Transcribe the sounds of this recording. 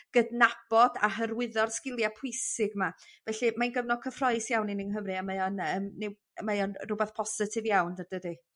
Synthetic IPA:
ɡ̥ədnab̥ɔda̰ɦərwɪðɔrskɪlˠjapʰʊjsɪɡmavɛɬɨmanɡəvnɔkʰəfrɔɨsjawninɪŋɦəmrɨamajɔnəːmnɪw | əmajɔnrʊbɛθpʰɔsɪtʰɪvjawndəd̥ədi

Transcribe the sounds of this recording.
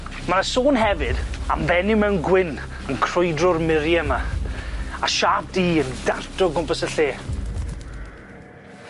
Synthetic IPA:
manasoːnɦɛvɨda̰mvɛnɪmɛwnɡwɪn | ənkʰr̥ʊjdrʊrmɪɾjama | aʃaːp̚diːəndartɔɡʊmpəsəɬeː

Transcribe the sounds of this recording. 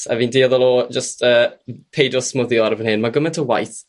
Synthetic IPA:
a̰viːndiːɔðɔlˠɔd͡ʒəstʰəːpʰejdɔsmʊðjɔɾəvənɦɪnmaɡəmɛntʰəwa̰jθ

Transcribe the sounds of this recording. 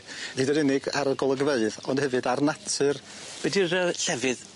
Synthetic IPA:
niːdəɾɪnɪɡaɾəɡɔlˠəɡəveɨðɔnd̥hɛvɨdarnatʰɨr | wɛdiɾəɬɛvɨð

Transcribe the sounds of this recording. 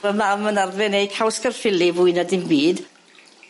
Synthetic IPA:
əmamənarðvɛnejkʰawskərfɪlivʊɨnadɪmbiːd̥

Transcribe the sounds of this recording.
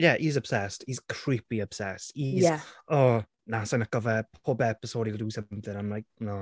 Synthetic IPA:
jɛʔizəb̥sɛstiz̥kʰrɹ̥ɪpiəb̥sɛstiɛɔ | nasanəkɔvɛpʰoːbɛpəsoːɾilˠduːsəmθɪ̃namlajk̚nɔ

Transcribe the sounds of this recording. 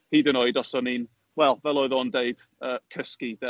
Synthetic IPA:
hiːdənoɨdɔsɔnin | wɛlˠvɛlˠɔɨðɔndeɨd̥ | əːkʰəskidɛ

